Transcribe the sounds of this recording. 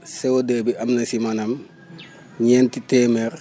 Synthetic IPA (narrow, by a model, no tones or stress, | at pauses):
sɛwodɐbiʔɐmnɐsimɐnɐm | ɲɛːntitɛːmɛr